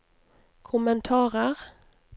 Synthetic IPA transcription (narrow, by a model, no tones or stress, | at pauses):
kʰʊmənt̪ʰɑːʁəʁ